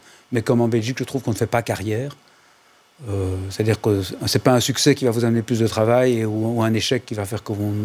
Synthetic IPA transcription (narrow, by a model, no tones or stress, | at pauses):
mɛkɔmɑ̃bɛlʒikʒət̪χuvkɔ̃nəfɛpakaʁjɛːʁ | øse̥t̪ad̪iːʁkəsɛpaɛ̃syksɛkʲivavuzaməneplys̬d̪ət̪χavajeuuɛ̃neʃɛkːivafɛːʁkəvɔ̃